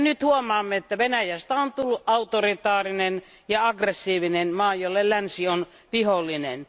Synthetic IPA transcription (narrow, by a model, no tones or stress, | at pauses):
nyt̪huomˑɑːmːeet̪ːæʋenæjæst̪æont̪ulːuʔʔɑut̪orit̪ɑːrinen | jɑɑɡresːiːʋinenmɑːjolːellænsion | ʋiholːˑinḛn